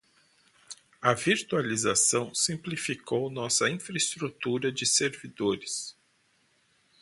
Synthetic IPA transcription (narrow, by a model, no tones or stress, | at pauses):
ɐviɾt̪ualizasɐ̃w̃sĩplifikownɔsɐĩfɾɐest̪ɾut̪uɾɐd͡ʒɪseɾvid̪oɾɪs